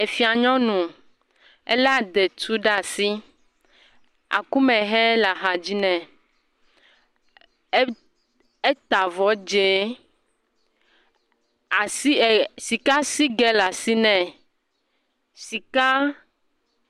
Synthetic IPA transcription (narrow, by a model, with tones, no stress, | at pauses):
e˨fi˨˦a˨ɲɔ̃˦nũ˨ | ḛ˦la˦˨d̪ɛ˨t̪u˦ɖa˦˨si˦ | a̰˨ku˦mɛ̃˨ɦɛ˦la˨ɦa˨d͡ʑi˦nɛ̃˨˦ | e˦t̪a˨vɔ˨d͡ʒe˨˦ | a˨si˦˨si˨ka˦si˦ɡɛ˦la˨si˦nɛ̃˨ | si˨ka˦